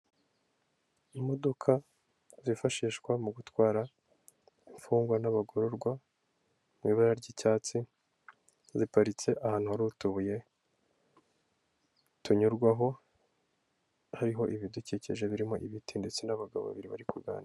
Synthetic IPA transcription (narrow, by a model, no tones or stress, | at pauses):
imo̞do̞kʰa | zifaʃiːʃkwamuɡutwaːɾa | iɱfuːŋɡwanaβaɡo̞ɾo̞ɾɡwa | mŋwiːβaɾaɾɟicaːt͡si | zipaɾit͡se̞ʔahaːn̥uhaɾutuβuje̞ | tuɲuɾɡwaɦo̞ | haɾiɦo̞ʔiβiduciceʒe̞βiɾimo̞ʔiβitinde̞t͡senaβaɡa̰βo̰βiɾiβa̰ɾikuɾɡa̰ːnda